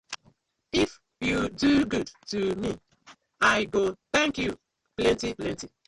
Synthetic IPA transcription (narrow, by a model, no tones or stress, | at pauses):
if | juduɡudtumi | aɪɡoθɛ̃ŋkju | plɛ̃ntiplɛ̃nti